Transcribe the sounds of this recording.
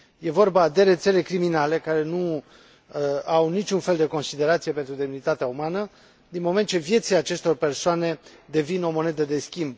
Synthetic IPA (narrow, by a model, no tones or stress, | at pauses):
je̞vo̞rbad̪e̞ɾe̞t̪se̞le̞kɾiminale̞kaɾe̞nu | awnit͡ʃunfeld̪e̞ko̞nsid̪e̞ɾat̪sije̞pe̞nt̪ɾud̪e̞mnit̪at̪eaumanə | d̪inmo̞me̞nt̪̚t͡ʃe̞vje̞t̪silat͡ʃe̞st̪o̞rpe̞rsoane̞d̪e̞vino̞mo̞ne̞d̪əd̪e̞skʲimb̚